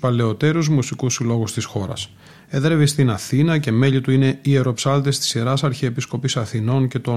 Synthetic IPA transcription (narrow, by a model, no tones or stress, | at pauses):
uspɐle̞o̞t̪e̞ɾuzmusikusilo̞ɣust̪isxo̞ɾɐ̰s | eðɾevist̪inɐθinɐce̞me̞ʎit̪uine̞ieɾo̞psɐlt̪est̪i̥siɾɐsɐɾçiepisko̞pisɐθino̞nce̞t̪o̞